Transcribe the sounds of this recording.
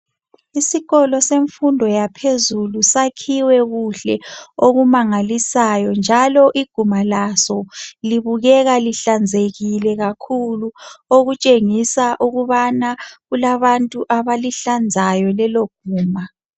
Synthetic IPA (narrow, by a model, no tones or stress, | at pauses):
isiɣɔlɔseɱfundʱɔjapʰezulusakʰiwɛɣuɬɛoɣumaŋalisajɔnd͡ʒʱalɔʔiɡ̥ʱumalasɔliβuɣɛɣaliɬand͡zʱeɣilɛɣakʰuluoɣut͡ʃʼeŋisaʔuɣuβanaɣulaβantʼuʔaβaliɬand͡zʱajɔlɛloɡ̥ʱuːma